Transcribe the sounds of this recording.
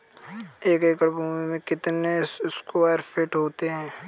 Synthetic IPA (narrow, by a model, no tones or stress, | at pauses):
eːkeːkɐɾbuːmemẽkɪt̪neʊskoaːɾfɪʈɦoːt̪eɦɛ̃ː